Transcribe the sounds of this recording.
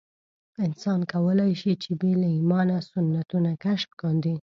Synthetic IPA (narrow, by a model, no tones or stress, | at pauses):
ɪnsɑnkawəlajʃit͡ʃebelaimɑnasʊnːat̪unakaʃmkɑnd̪i